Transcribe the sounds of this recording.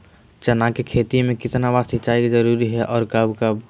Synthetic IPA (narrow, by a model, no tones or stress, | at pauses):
t͡ʃənakekʰet̪imẽkɪt̪nabaɾsɪt͡ʃaikd͡ʒəɾuɾiɦɛʔɔːɾkəbkəb